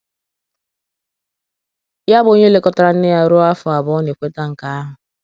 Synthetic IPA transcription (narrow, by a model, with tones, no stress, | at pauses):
ja˦bo˦ɲe˦le˨kɔ˦ta˦ɾa˨n̩˦ɪ˦ja˦ɾʊ˦a˦fʊ˨a˨bɔ˦ne˨kʷe˦ta˦ŋ̩˨ka˨a˦ɦʊ˨